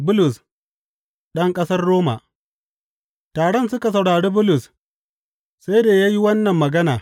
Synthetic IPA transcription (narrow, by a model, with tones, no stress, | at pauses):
bʊ˦lʊ˨s | ɗɐ˦ŋkʼɐ˦sɐ˦rːoː˦ma̰˨ | taː˨ɽɔ˦nsʊ˦ka˨sɐ˨wɽaː˨ɽeː˦bʊ˦lʊ˨s | sa˦jdaː˨ja˦ji˦wɐ˦nːɐ˨mːɐ˨ɡɐ˦naː˨